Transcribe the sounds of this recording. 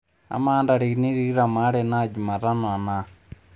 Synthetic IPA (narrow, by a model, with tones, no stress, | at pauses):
a̰˨ma˦nda˨ɾi˨i˨ni˦ɾi˦ɾa˨ma˦ɺɛ˨na˦˨d͡ʒu˨ma˨ɾa˦nɔ˨a˨na˨